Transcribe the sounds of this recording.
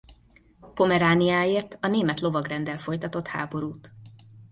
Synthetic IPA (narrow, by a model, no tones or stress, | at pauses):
po̞mɛɾaːniaːeːrt̪ɒneːmɛt̪lo̞vɒɡrɛnd̪ɛlfo̞jt̪ɒt̪o̞t̪ha̰ːbo̞ɾuːt̪